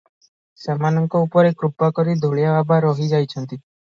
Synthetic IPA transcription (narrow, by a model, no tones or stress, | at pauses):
samanɔŋkɔupɔɾekɾupakɔɾid̪ʱuɭjababaɾɔɦid͡ʒajt͡ʃʰɔnt̪i